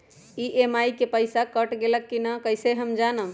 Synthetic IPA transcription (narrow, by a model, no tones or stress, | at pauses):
iʔemajkepəjsakəʈɡeləkːinakəjseɦəmd͡ʒanə